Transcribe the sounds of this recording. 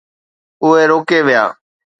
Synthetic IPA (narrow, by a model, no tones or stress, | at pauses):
ʊɦeːɾoːkeːʋɪja̰ː